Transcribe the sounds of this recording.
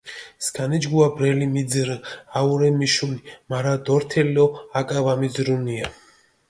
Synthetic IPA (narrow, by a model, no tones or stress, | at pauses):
skʰanɛd͡ʒɡuabɾɛlimid̪zɾɨauɾɛmiʃulimaɾad̪ɔɾt̪ʰɛliɔakʼavamid̪zɾunia